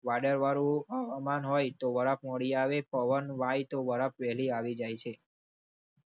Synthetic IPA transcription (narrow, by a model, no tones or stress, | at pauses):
ʋaɽəɾʋaɾũəʋamanɦojt̪oʋəɾapməɽiaʋepəʋənʋajt̪oʋəɾapʋɛɦliaʋid͡ʒajt͡ʃʰe